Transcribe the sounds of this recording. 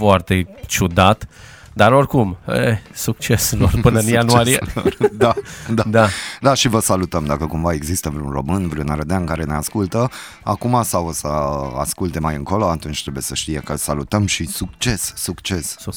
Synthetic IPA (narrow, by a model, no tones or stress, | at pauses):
foart̪e̞t͡ʃud̪at̪ | d̪aɾo̞rkumesuk̚t͡ʃesulorpɨnəɨnjanuaɾijed̪ad̪ad̪ad̪aʃivəsalut̪əmd̪akəkumvae̞ɡzist̪əvɾunro̞mɨnvɾownaɾəd̪eaɨŋkaɾeneaskult̪ə | akumasawosəa̰skult̪e̞majɨŋko̞loat̪unt͡ʃt̪ɾebujesəʃt̪ijekəlsalut̪əmʃisuk̚t͡ʃe̞sːukt͡ʃe̞s